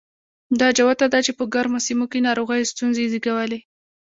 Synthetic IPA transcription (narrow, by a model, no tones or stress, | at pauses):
d̪ɑd͡ʒawat̪ad̪at͡ʃepəɡaɾmosimokenɑɾoɣəjst̪unzeziɡawəle